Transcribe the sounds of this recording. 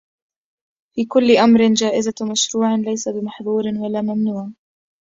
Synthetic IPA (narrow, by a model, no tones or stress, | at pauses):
fiːkʊlːɪʔamɾɪnd͡ʒaːʔɪzamaʃɾuːʕlajsabɪmaħðˤuːɾɪnwalaːmamnuːʕ